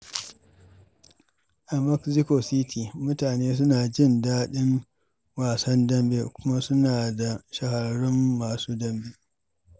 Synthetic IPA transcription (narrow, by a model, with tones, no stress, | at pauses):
ʔa˨mɐ˦kzɪ˦koː˨si˦tʰiː˨mʊ˦taː˨neː˦s̬ʊ˦naː˨d͡ʒɪ˦ndaː˦ɗɪ˦ŋ | waː˨sɐ˦ndɐ˦mbḛ˨kʷʊ˦ma˦sʊ˦naː˨da˨ʃɐ˨hɐ˨ɽʊ˦mːaː˨suː˦dɐ˦mbe˨